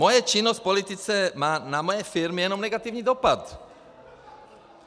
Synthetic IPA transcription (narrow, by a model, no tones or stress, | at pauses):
mɔjat͡ʃinːɔsc̚pɔlit̪it͡sɛmaːnamɔjɛfiɾmijɛnɔmnɛɡat̪iːʊɲiːd̪ɔpat̪